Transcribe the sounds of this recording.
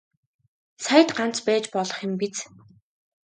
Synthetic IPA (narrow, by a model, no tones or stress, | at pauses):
sajə̆t̪ɢan̥t͡spæːt͡ɕpɔɮɞ̆χjɪ̆mpit͡s